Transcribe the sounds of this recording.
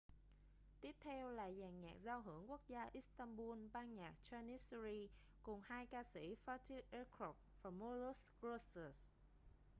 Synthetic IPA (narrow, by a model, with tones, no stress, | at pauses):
t̪i˦˥əp̚t̪ʰɛ˧wla̰ː˨˩zaː˨˩ŋɲaː˨˩k̚zaː˧wɦɨ˧˩əŋku˦˥ək̚zaː˧ʔi˦˥st̪aː˧ŋɓu˧nɓaː˧nɲaː˨˩k̚t͡ɕaː˧ni˦˥sɾi˧ | kʊ˨˩ŋ͡mhaː˧jkaː˧si˧˩fa˦˥t̪i˧ʔɛ˧kɔ˨˦˩p̚vaː˨˩mo˧lu˦˥sɡɹo˧sə˨˩s